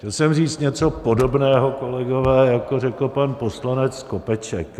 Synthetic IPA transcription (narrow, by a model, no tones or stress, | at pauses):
cɛlsɛmriːt͡st̪ɲɛt͡so̞po̞do̞bnɛːɦo̞ko̞lɛɡo̞vɛːjakorɛkl̩panpo̞slanɛt͡skopɛt͡ʃɛk